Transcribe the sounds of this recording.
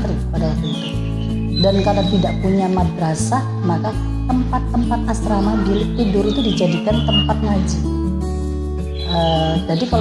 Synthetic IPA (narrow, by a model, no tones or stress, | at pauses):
t̪əɾikə̥padalat̪uit̪u | dankaɾat̪idaʔpuɲamadɾasa | maka | t̪əmpat̪ːəmpat̪̚ast̪ɾamabilɪidʊɾit̪udid͡ʒadikant̪əmpat̪̚ŋad͡ʒi | ʔəd͡ʒadikal